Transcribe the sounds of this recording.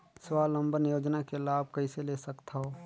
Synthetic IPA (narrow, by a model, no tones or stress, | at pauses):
swaːlə̃mbənjoːd͡ʒnakelaːb̚kɐɦiseleːsəkt̪ʰaɦoː